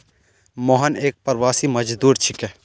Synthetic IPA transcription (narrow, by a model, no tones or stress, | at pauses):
mɔːɦəneːk̚pɐɾwaːsimɐd͡ʒd̪uːɾt͡ʃʰikɛː